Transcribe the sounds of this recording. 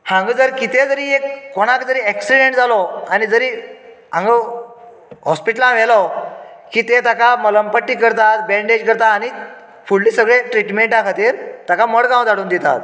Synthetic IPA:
hãŋɡəd͡zəɾkit̪ed͡zəɾiːekːoɽ̃akd͡zəɾiːɛksiɽeɳʈd͡zalɔanid͡zəɾiː | ã̰ŋɡə | ɦɔspiʈəlãʋ̤elɔ | kiːt̪et̪akamələmpəʈːiːkəɾt̪at̪bɛɳɖed͡ʑkəɾt̪aːñi | fuɭːiːsəɡɭeʈɾiʈmeɳʈakʰat̪iːɾt̪akaməɽɡãw̃d͡z̪aɽuːnd̪it̪a̰t̪

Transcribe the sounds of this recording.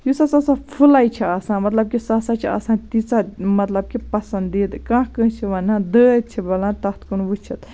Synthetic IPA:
jusasasapʰulajt͡ʃʰiaːsãːmɐt̪lɐb̚kisaːsaːt͡ʃʰia̰ːsãːnt̪it͡samɐt̪lɐb̚kipɐsɐnd̪it̪kãːkə̃ːnt͡ʃʰiʋɐnãːd̪əːt̪̚t͡ʃʰibɐlãːnt̪ɐht̪ʰkunʋut͡ʃʰit̪

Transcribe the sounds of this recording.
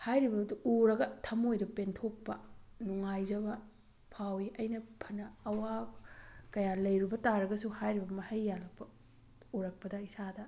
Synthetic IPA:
hajɾibɐduuɾɐɡɐtʰɐmojdɐpentʰok̚pɐnuŋajd͡ʒɐbɐ | pʰawiʔɐjnɐpʰɐnɐːwa | kɐjalɐjɾibɐtaɾɐɡɐsuhajɾibbɐmɐhɐjːalɐk̚pɐ | uɾɐk̚pɐdɐisadɐ

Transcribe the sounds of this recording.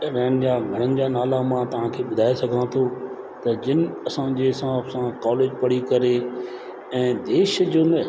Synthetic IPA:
ɾɛːnɪ̆d͡ʑaːɡʱɐɽ̃ənɪ̆d͡ʑaːnaːlamãt̪ɐʋ̤ãkʰeːɓʊd̪ʱaːesɐɡʱãt̪ʰoː | t̪ɐd͡ʑɪnɪ̆ɐsãd͡ʑesãfsãkɔːleːd͡ʑpɐɽikɐɾe | ɛ̃ːd̪eːʃd͡ʑʊn

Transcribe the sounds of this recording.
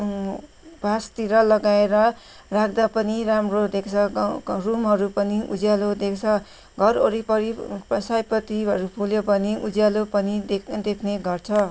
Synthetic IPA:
bʱast̪iɾʌlʌɡaeɾʌ | rakʰd̪apʌniɾamrod̪ekʰt͡sʰʌrumɦʌɾupʌniʔṵd͡zjalod̪ekt͡sʰʌ | ɡʱʌroɾipʌɾipʌsajpʌt̪iɦʌɾupʰuljopʌniʔud͡zjalopʌnid̪ekʰneɡʌrt͡sʰʌ

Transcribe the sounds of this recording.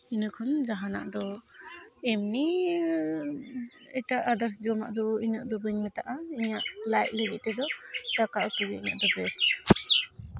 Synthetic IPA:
inɯkʰɔnzaɦana̰ʔdɔ | emni | əjtaʔːdaɾs̬d͡ʒɔma̰ʔd̪ɔinaʔ̚d̪ɔbɯnmetaʔaiɲaʔlajt̚ləɡiʔ̚tedɔtakaʔwtuɡiinaʔdɔbɛst

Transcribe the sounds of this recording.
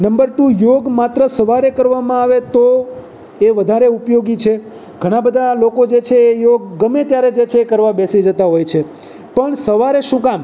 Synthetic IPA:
nəmbəɾʈujoɡmat̪ɾəsəʋaɾekəɾʋamãaʋet̪o | eʋəd̪ʱaɾeupjoɡit͡ʃʰe | ɡʱəɽ̃ãbəd̪ʱalokod͡ʒet͡ʃʰeːjoɡ̚ːəmet̪jaɾed͡ʒet͡ʃʰeːkəɾʋabesid͡ʒət̪aɦojt͡ʃʰe | pəɳsəʋaɾeʃũkam

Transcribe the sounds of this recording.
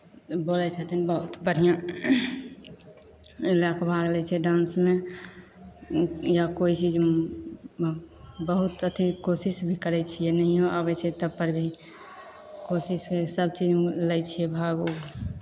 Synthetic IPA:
boːlɛt͡ʃʰat̪ʰinbəɦut̪bʱəɽ̤ijã | elakbʱaɡlɛt͡ʃʰɛɖãːnsme | jakoit͡ʃid͡ʒ | bəɦut̪ət̪ikosisbʱikəɾɛt͡ʃʰijenəɦiõəbəset̪əbpːəɾbʱi | kosiskesəb̚t͡ʃid͡ʒlɛt͡ʃʰiɛbʱaɡu

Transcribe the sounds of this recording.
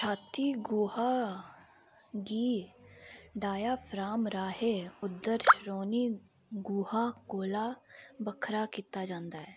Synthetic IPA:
t͡ʃʰaːt̪iːɡuːhaː | ɡiː | ɖaːjaːpʰɾaːmɾaːɦeːʊd̪ːəɾʃɾoːniː | ɡuːhaːkoːlaːbəkʰɾaːkiːt̪aːd͡ʒãːnd̪aːɛː

